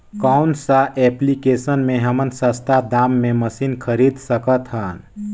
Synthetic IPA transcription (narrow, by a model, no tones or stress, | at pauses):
kaʊnsaʔɛːplikeːsənmẽɦəmənsəst̪ʰad̪aːmːẽməsiːnkʰəɾiːd̪səkət̪ɦən